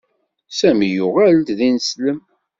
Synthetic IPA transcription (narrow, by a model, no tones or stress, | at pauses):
sæmijuʁæld̪ðinəsləm